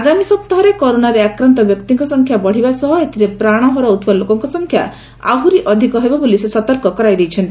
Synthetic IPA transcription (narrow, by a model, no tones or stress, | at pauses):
aɡamisɔp̚t̪ɔɦɔɾekɔɾonaɾeakɾant̪ɔbjɔkt̪iŋkɔsɔŋkʰjabɔɽ̤ibasɔɦɔet̪iɾepɾaɽ̃ɔɦɔɾɔut̪balokɔŋkɔsɔŋkʰja̰ | a̰ɦuɾiʔɔd̪ʱikɔɦebɔbolisesɔt̪ɔɾkɔkɔɾajd̪ejt͡ʃʰɔnt̪i